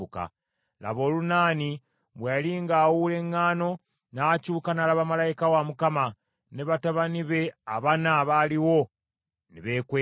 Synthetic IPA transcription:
uka̰ | la̰βo̞ːlunaːni | βwealiŋɡaːwule̞ŋːaːno̞ | nacuːkanalaβamalajikawamukama | neβataβaniβe̞aβanaβaliwo̞ | niβeːkwe

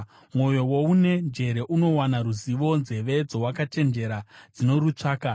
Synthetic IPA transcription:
mwo̞jo̞woune̞nd͡ʒe̞ɾe̞ʔuno̞wanaɾuziʋo̞nze̞ʋe̞d͡zo̞wakat͡ʃe̞nd͡ʒe̞ɾad͡zino̞ɾut͡ʂaːka

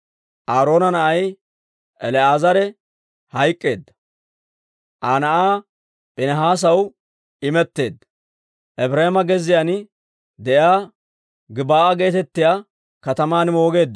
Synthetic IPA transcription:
ʔaːɾo̞ːnɐnɐʔɐj | ʔɛlɛaːzɐɾɛ | hɐjkʼːe̞̰ːd̪ːɐ̥ | ʔaːnɐʔaː | pʼɪnɐɦaːs̬ɐw | ɪmɛt̪ːe̞ːd̪ːɐ | ʔɛbɾɐhɪmɐɡɛzɪjaːnɪ | d̪ɛʔjaː | ɡɪbaːʔɐɡe̞ːt̪ɛt̪ːɪjaː | kɐt̪ɐmaːnmo̞ːɡe̞ːd̪ːɐ

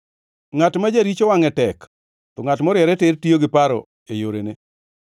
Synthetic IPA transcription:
ŋatmad͡ʒaɾit͡ʃowaŋɛtɛk | t̪ɔŋatmɔɾɪɛɾɛtɪrtijoɡɪpaɾɔ̰ | ejoɾene

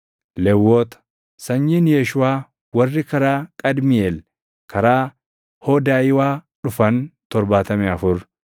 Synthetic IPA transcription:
lɛwːoːt̪ɐ̥ | sɐɲːɪnjɛʃʊaː | wɐrːɪkɐɾaːkʼɐd̪mɪeːl | kɐɾaː | hoːd̪aːjɪwaː | ᶑʊfɐnt̪ɔɾbaːt̪ɐmɛɐfʊɾ

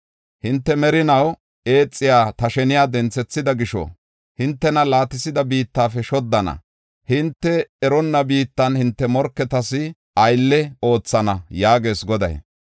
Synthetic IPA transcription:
hɪnt̪ːɛmɛɾɪnɐw | e̞ːt͡sʼːɪjaːt̪ɐʃɛnɪjaːd̪ɛnt͡sːɛt͡sːɪd̪ɐɡɪʃɔ̰ | hɪnt̪ːɛnɐlaːt̪ɪsɪd̪ɐbiːt̪ːaːfɛʃɔd̪ːɐnɐ̰ | hɪnt̪ːɛːɾɔnːɐbiːt̪ːɐnhɪnt̪ːɛmɔɾkːɛt̪ɐsɪ | ʔɐjlːɛo̞ːt͡sːɐnɐjaːɡe̞ːsɡɔd̪ɐ̰j

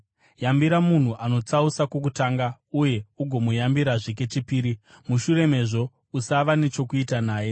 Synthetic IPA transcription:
jambiɾamun̤uʔano̞t͡sausakok̬utaːŋɡa | uje̞uɡʱo̞mujambiɾaʐik̬e̞t͡ʃipiːɾi | muʃure̞me̞ʐo̞ | usaʋane̞t͡ʃo̞kuitanaːje̞

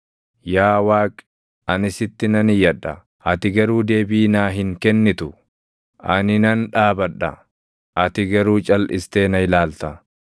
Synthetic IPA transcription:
jaːwaːkʼ | ɐnɪsɪt̪ːɪnɐnɪjɐᶑːɐ̰ | ʔɐt̪ɪɡɐɾuːd̪e̞ːbiːnaːɦɪŋkɛnːɪt̪ʊ | ʔɐnɪnɐnᶑaːbɐᶑɐ̰ | ʔɐt̪ɪɡɐɾuːt͡ʃʼɐlʔɪst̪e̞ːnɐɪlaːlt̪ɐ

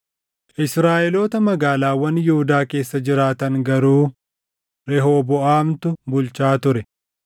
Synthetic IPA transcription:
ʔɪsɾaːʔɛloːt̪ɐmɐɡaːlaːwɐnjʊhʊd̪aːke̞ːsːɐd͡ʒɪɾaːt̪ɐŋɡɐɾuː | ɾɛɦoːbɔaːmt̪ʊbʊlt͡ʃaːt̪ʊɾɛ

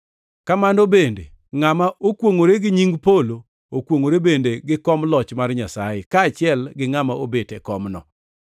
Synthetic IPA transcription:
kamandobendḛ | ŋamaʔokwoŋoɾeɡɪɲiŋɡpolo | okwoŋoɾebendeɡɪkɔmlɔt͡ʃmarɲasajekaːt͡ʃɪɛlɡɪŋamaobetɛkɔmnɔ̰

